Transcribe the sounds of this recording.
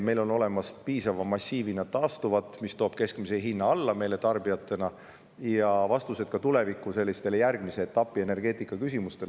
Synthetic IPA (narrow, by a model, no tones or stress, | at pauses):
me̞jlo̞no̞le̞mɑspiːsɑvɑmɑsʲːiːvinɑt̪ɑːst̪uvɑt̪ˑːmist̪o̞ːb̥̚ke̞skmiseɦinːɑɑlːɑme̞jle̞t̪ɑrbijɑt̪ːˑe̞nɑ | jɑvɑst̪use̞d̪̥kɑt̪ule̞vikːˑuse̞lʲːist̪e̞lejærɡ̥mise̞et̪ːɑpːˑie̞ne̞rɡ̥e̞ːt̪ˑikːˑɑkys̬ʲimust̪e̞l